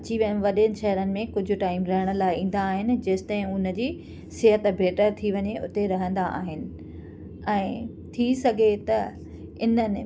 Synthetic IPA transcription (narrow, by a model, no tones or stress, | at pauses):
ɐt͡ɕiʋiəɽ̃ʋɐɗənɪ̆ʃɐɦəɾənɪ̆mẽkʊd͡ʑʱʊ̆ʈaːɪmɾɐɦəɽ̃ə̆laːɪĩːn̆d̪aːɦɪnɪ̆d͡ʑɐst̪ãɪ̃ʊnə̆d͡ʑiː | sɪɦət̪bʱeːʈəɾt̪ʰiʋɐɲeʊ̰t̪eɾɐɦə̃nd̪aʔa̰ːɦɪnɪ̆ | ɛ̃ː | t̪ʰisɐɡʱet̪ɐ | ɪnənɪ̆